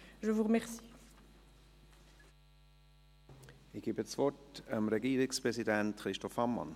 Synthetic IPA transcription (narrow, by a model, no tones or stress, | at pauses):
ʒəvuʁəmɛʁsi̥ | ɪɡ̥iːbəsvɔtamɾɛɡiːɾɪkspʁɛzidɛntχɾiʃtɔfɑmːɑ̰n